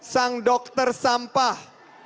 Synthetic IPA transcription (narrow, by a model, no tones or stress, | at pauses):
saŋdɔk̚t̪ərsampah